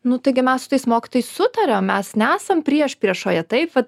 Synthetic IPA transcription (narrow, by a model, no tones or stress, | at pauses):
nʊt̪ɐɪɡʲɪmʲɛssʊ̥t̪ɐɪsmoːkʲɪ̥t̪oːjɛɪssʊt̪ɐɾʲommʲɛsnʲɛæːsɐmpʲɾʲiɛʃpʲɾʲiɛʃoːjɛt̪ɐɪpʋɐt̪